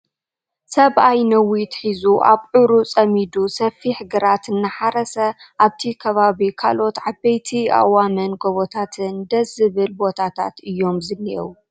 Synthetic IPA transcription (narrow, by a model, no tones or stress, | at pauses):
sɐβʔajnɐwit̪ħizuʔa̰βʕɨɾut͡sʼɐmid̪usɐfiħɨɡɨɾat̪ɨnːɨħaɾɐsɐʔaβt̪ʰikʰɐβaβikʰa̰lo̞t̪ʕabejt̪ʰia̰wamɐnɡoβot̪ʰat̪ʰɨnd̪ɐzɨβɨlbo̞t̪ʰat̪ʰa̰t̪ɨjːo̞mzɨniʔɛ̰wu